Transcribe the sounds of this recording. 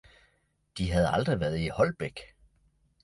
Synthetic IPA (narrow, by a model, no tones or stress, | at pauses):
d̥iɦæð̞̩ˠɑ̈ld̥ʁiʋæɐð̞̩ˠihɒ̽lb̥eɡ̥